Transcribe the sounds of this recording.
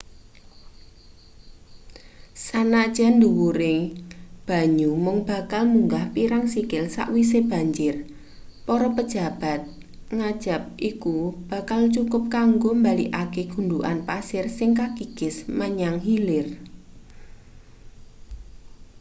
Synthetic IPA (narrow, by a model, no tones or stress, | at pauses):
sanad̥ʒ̥and̪uwuɾe | b̥a̤ɲumʊŋb̥a̤kalmuŋɡahpiɾaŋsikɪlsa̰ʔwis̬eb̥a̤ɲd͡ʒɪr | pɔɾɔpəd̥ʒ̥a̤b̥a̤t̪̚ | ŋad̥ʒ̥a̤p̚ʔikub̥ä̤kalt͡ʃukʊp̚kaŋɡombaliʔakeɡ̥ṳɳduʔanpasɪrsɪŋkakiɡ̥ɪsmaɲaŋɦilɪr